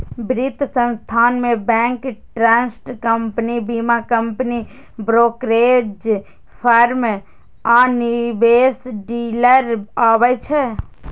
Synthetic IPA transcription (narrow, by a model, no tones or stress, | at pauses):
bɾɪt̪sə̃nst̪ʰaːnmẽbɛ̃ːŋkʈɾɛ̃ːnsʈkəmpnibimakəmpni | bɾoːkɾeːd͡ʒ | pʰəɾm | aːnibeːsɖiːləɾaːwət͡ʃʰɛ